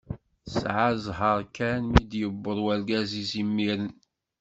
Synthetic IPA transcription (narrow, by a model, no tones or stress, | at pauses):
sʕazɦəɾˤkænmid̪jəbːəðˤwæɾɡæzizimːiɾən